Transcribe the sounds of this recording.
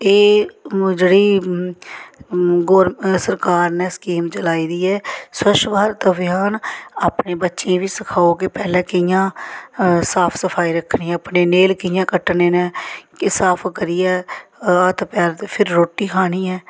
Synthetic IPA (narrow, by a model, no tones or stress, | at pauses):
eː | d͡ʒeːɽiː | ɡoːɾsəɾkaːɾnẽːskiːmt͡ʃəlaːiːd̪iːɛːsəʃbaːɾt̪əʋɪjaːnaːpneːbətːʃẽːʋiːsəkʰaːoːkepɛːlẽːkɪjãː | saːpʰsəpʰaːiːɾəkʰniːɛ̃əpneːneːlkɪjãːkəʈːneːnẽːkɪsaːpʰkəɾiːɛːət̪ʰpɛːɾt̪ːpʰɪɾːoːʈːiːkʰaːɽiːɛː